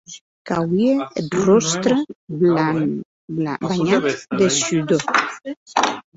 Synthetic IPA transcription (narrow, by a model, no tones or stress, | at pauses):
kawieet̪rost̪ɾe | abaɲat̪d̪esydo